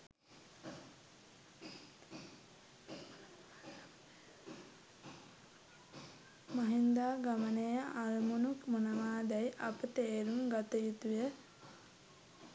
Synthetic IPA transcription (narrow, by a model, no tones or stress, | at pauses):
maɦind̪aːɡamənejəaɾmunukmonəʋaːd̪æjʔɐpət̪eːɾumɡat̪əjut̪ujə